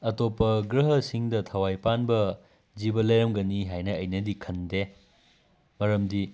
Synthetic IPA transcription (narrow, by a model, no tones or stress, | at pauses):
ɐtopːɐɡɾɐɦɐsiŋdɐtʰɐwajpanbɐ | d͡ʒibɐlɐjɐmɡɐniɦajnɐːjnɐdikʰɐnde | mɐɾɐmdi